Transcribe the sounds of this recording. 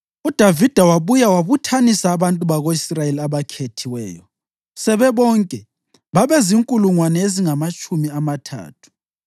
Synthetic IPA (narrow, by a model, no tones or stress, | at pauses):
ud̥ʱavid̥ʱawaβujawaβutʰanisaːβantʼuβaɣoisrajeliaβakʰetʰiwɛ̰ːjɔ | sɛβɛβɔŋkʼɛ | βaβɛziŋkʼuluŋwanɛeziŋamat͡ʃʼumiamatʰa̰ːtʰu̥